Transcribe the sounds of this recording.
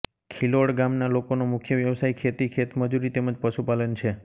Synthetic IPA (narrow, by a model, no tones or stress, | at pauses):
kʰiloɽɡamnalokonomʊkʰjəʋjəʋsaikʰet̪ikʰet̪məd͡ʒuɾit̪eməd͡ʒpəʃupalənt͡ʃʰe